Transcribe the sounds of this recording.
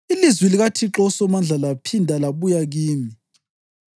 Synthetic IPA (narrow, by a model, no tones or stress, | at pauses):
ilizwiliɣatʰiǁɔsɔmand͡ɮʱalapʰindʱalaβujaɣiːmi